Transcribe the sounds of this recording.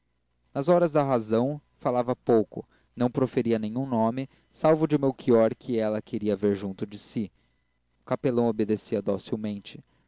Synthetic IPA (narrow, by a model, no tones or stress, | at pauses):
nɐzɔɾɐzd̪ɐɦazɐ̃w̃ | falavɐpowkʊ̰ | nɐ̃w̃pɾofeɾiɐnẽjɲũnõmɪ | sawvʊd͡ʒɪʊmewkiɔɾkʰɪɛlɐkʰeɾiɐveɾʒũnt̪ʊd͡ʒɪsi | ʊkapelɐ̃w̃obed̪esiɐd̪osiwmẽnt͡ʃɪ